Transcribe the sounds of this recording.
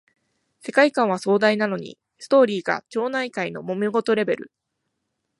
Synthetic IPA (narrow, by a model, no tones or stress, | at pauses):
se̞kaikãɰ̃β̞aso̞ːd̪ainano̞ɲ̟ḭ | sɨ̥t̪o̞ːɾʲiːɡa̰t͡ɕo̞ːnaikaino̞̰mo̞mʲiɡo̞t̪o̞ɾe̞be̞ɾɯ̟